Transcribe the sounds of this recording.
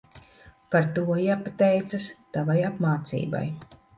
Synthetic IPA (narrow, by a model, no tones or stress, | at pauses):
paɾt̪uɔjaːpat̪ɛjt̪sast̪avajapmaːt̪sḭːba̰j